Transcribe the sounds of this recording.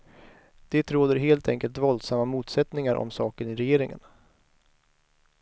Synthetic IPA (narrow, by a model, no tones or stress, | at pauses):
d̪̥ɛt̪ɾoːd̪əɾɦeːlt̪ʰɛŋkəlt̪vɔld̪samːamuːt̪sɛt̪nɪŋaɾʔɔ̰msɑːkənɪɾɛjeːɾɪŋə̰n